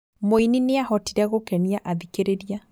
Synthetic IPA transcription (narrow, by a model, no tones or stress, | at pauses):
moinineahɔtiɾɛɣokɛniaʔaðikeɾeɾia